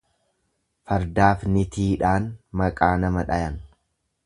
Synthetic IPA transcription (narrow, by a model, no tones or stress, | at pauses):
fɐɾd̪aːfnɪt̪ʰiːᶑaːnmɐkʼaːnɐmɐᶑɐjɐn